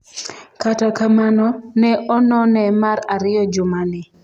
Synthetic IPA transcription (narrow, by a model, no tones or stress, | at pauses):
katakamanɔnɛʔɔnɔnɛmaɾaɾɪjɔd͡ʒʊmanɪ